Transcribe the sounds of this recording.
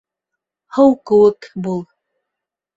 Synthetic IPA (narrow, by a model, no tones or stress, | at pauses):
hɤwkɘ̆wɘ̆kbulˠ